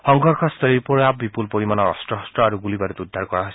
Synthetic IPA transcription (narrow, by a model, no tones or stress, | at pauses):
hɔŋɡɔɹkʰɔst̪ʰɔlipɔɹabipulpoɹimanɔɔ̰stɔɦɔstɔaɾuɡulibaɾut̪ud̪ʱːaɹkɔɹaɦojs